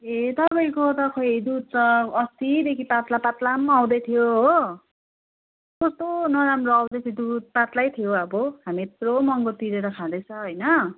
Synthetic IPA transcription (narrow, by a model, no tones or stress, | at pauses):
et̪ʌpaj̃kot̪ʌkʰʌid̪ud̪̚t͡sʌʌst̪id̪ekʰipat̪lapat̪lamaw̃d̪ʌjt̪ʰijoɦo | kost̪onʌɾamroaw̃d̪ʌtʰid̪ud̪̚pat̪lajt̪ʰijoʌbʌɦamit̪romʌŋɡot̪iɾeɾʌkʰad̪ʌt͡sʰʌɦʌjnʌ